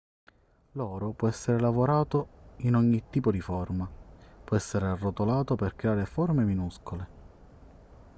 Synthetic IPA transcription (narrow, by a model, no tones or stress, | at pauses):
lɔːɾopwɔɛsːeɾelavoɾaːt̪oinɔɲːit̪ːiːpod̪ifɔrmapwɔɛsːeɾearːot̪olaːt̪operkɾeaːɾefɔrmeminuskole